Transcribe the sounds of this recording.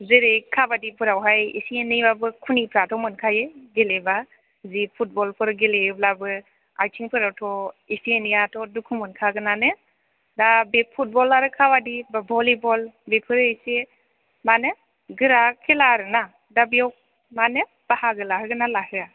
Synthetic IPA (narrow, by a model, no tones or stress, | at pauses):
zeɾejkʰabadipʰɯɾawɦajḭsienijbabɯkʰunipʰɾatʰɔmɯnkʰajɯɡeleba | zipʰut̚bɔlpʰɯɾɡeleɯblabɯ | ajtʰiŋpʰɯɾawtʰɔisienijatʰɔdukʰumɯnkʰaɡɯnanɯ | dabepʰut̚bɔlaɾɯkʰabadibabɔlibɔlbepʰɯɾejse | mane | ɡɯɾakʰelaɾɯna | dabijaw | mane | b̥ahaɡɯlaɦɯɡɯnalahɯa